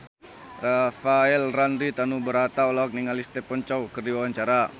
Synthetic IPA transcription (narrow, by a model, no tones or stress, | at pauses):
rafaɛlranɾit̪anubəɾat̪aɔlaɔk̚niŋalist̪ɛpɔɲt͡ʃawkərdiwawaɲt͡ʃaɾa